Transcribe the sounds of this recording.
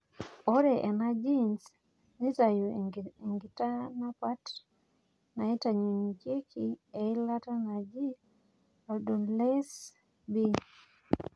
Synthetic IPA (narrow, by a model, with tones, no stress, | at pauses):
ɔ˦ɾɛʔɛ˨na˦d͡ʒi˦ns | ni˦ta˨ju˨i˨ŋɡi˨ta˦na˦pa˦t | na˨i˦ta˨ɲi˨ŋke˦ki˨ɛ˨i˦la˦ta˦na˨d͡ʒi˦ | a˨ldɔ˨nlɛs | bi˦